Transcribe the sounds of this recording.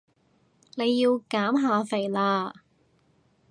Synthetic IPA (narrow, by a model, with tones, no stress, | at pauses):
ne˨˧jːiː˧wkaː˨˥mɦaː˧fe˨˩jlaː˧